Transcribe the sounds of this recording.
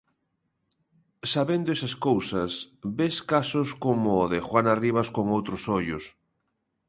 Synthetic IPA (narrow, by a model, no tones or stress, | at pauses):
saβend̪oesaskowsɐsbeskasʊskomʊːðɪxwanariβ̞askoŋowt̪ɾosojʊs